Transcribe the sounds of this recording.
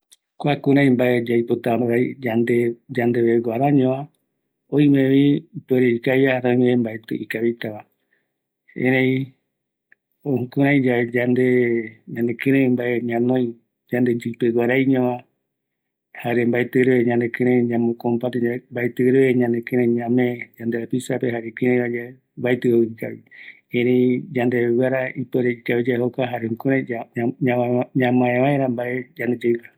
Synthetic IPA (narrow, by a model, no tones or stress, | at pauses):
kʷakũɾãj̃mbaʔed͡ʒajpot̪aɾaid͡ʒand̪ed͡ʒand̪eβeɡʷaɾaɲõʋã | oĩmẽʋipweɾeikajahaɾõj̃mẽimbaet̪ɨ̰ʔikaβit̪aβa | hḛ̃ɾẽĩ | ohũkũɾãj̃d͡ʒaed͡ʒand̪eɲãnẽkɨ̃ɾẽmbaeɲãnõj̃ | d͡ʒand̪ed͡ʒɨpeɡʷaɾajɲõʋa | haɾembaet̪ɨɾeeɲãnd̪ekẽɾẽɲãmõkompat̪embaet̪ɨɾeeɲãnd̪ekẽɾẽɲãmẽd͡ʒand̪eapisapeɦaɾekẽɾẽβad͡ʒa | mbajt̪ɨoika̰βi | ẽɾejd͡ʒand̪eβewaɾaipeɾeikaβid͡ʒaɦokaɦaɾehũkuɾãaɲãmãẽβãẽɾãmbaed͡ʒand̪ed͡ʒeɾa